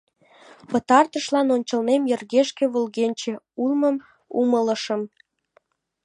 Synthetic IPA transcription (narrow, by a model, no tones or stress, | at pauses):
pə̆t̪ɑrt̪əʃlɑnonʲt͡ɕəlnemjĕrɣeʃkĕβulɣenʲt͡ɕĕ | ulməm | umələ̆ʃəm